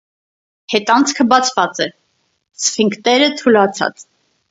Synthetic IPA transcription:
hɛt̪ɑnt͡sʰkʰəbɑt͡sʰvɑt͡sɛ | sfiŋkt̪ɛɾət̪ʰulɑt͡sʰɑ̰t͡s

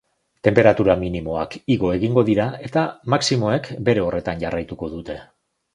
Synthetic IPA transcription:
t̪e̞mpe̞ɾat̪uɾaminimo̞akiɣo̞e̞ɣiŋɡo̞ðiɾae̞t̪amaksimo̞e̞kbe̞ɾe̞o̞re̞t̪anɟarajt̪uko̞ðut̪e̞

